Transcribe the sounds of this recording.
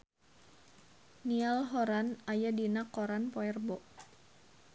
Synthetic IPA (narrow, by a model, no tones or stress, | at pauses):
nialɦɔɾanajadinakːɔɾanpɔɛrbɔʔ